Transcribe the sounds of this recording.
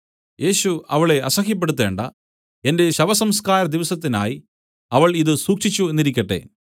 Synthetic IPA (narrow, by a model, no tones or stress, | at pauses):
je̞ːɕuɐʋɐɭe̞ʔɐsɐxjɐp̬ːe̞ɽut̪ːe̞ːɳɖɐ̰ | e̞nde̞ɕɐʋɐsɐmskaːɾɐd̪iʋɐsɐt̪ːina̰ːji | ɐʋɐɭiðɨsuːkʂit͡ɕːue̞nːiɾikʲːɐʈːe̞̰